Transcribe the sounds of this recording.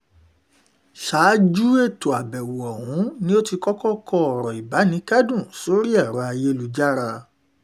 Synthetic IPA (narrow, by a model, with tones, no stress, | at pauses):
ʃaː˨˦d͡ʒu˦e˦˨to˨a˨bɛ˨wu˨ɔ˨ɦũ˨˦nĩ˦o˦ti˧kɔ˦kɔ˦kɔ˦ɔ˨ɾɔ˨i˨ba˨˦nĩ˨˦kɛ˦dũ˦˨so˦ɾi˦ɛ˦˨ɾɔ˨˦a˧je˧lu˨d͡ʒa˦ɾa˧